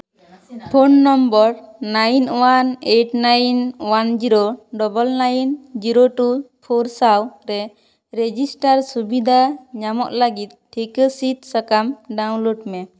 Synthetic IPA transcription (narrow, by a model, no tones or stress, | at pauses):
pʰonːɔmbɔɾnajnwaneʈnajnwand͡ʒiɾoɖɔbɔlnajnd͡ʒiɾoʈupʰoɾsawɾɛ | ɾed͡ʒisʈaɾsubid̪ʱaɲamɔʔ̪laɡit̪̚ʈʰːikəsit̪sakamɖaw̃loɖmɛ